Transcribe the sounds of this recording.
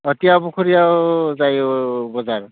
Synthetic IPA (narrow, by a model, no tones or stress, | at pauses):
ɔtijabukʰɔɹijawzajobɔzaɹ